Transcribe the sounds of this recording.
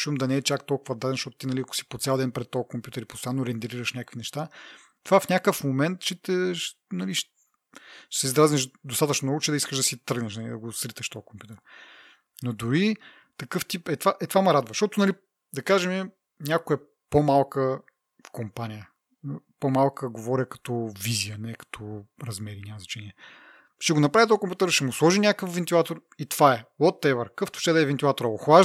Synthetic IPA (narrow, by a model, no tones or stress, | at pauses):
ʃumd̪ɐnɛɛt͡ʃakt̪ɔlˠkʊvɐd̪ad̪ɛnʃt̪ɔt̪ʊ̥t̪inɐliɐkʊ̥si̥pot̪sʲalˠd̪ɛnpɾɛt̪ːɔkompʲjut̪ɛɾipost̪ojanːoɾɛnd̪ɾiɾəʃnʲakəkvinɛʃt̪a | t̪ovafnʲakəfmomɛnt̪ʃɛt̪ɛʃ | nɐliʃ | ʃsɛizɾaznɛʃd̪ost̪at̪əʃnomnɔɡʊt͡ʃɛd̪ɐiskəʃd̪ɐsit̪əɡnəʃnɐlḭd̪ɐɡosɾit̪əʃt̪ɔjkompjut̪ɛɾ | nod̪ʊɾi | t̪ɐkɤft̪ipɛt̪vaʔɛt̪vamɐɾad̪vɐʃt̪ɔt̪ʊnɐli | d̪ɐkaʒɛmɛ | nʲakʊɛ | pomalˠkə | fkompanijə | pomalˠkəɡovɔɾʲəkɐ̥t̪ɔvizijənɛkɐ̥t̪ʰɔɾɐzmɛɾinʲamɐzɐt͡ʃɛniɛ | ʃt̪ɛɡonɐpɾavʲit̪ɔkompjut̪ɛɾʃɛmuslˠɔʒinʲakəfvɛnt̪ilˠat̪oɾ | it̪v̥aɛwɔt̪ːɛvəɾkɤft̪u̥ʃt͡ʃt̪ɛd̪ɐɛvɛnt̪ilˠat̪oɾɐoxva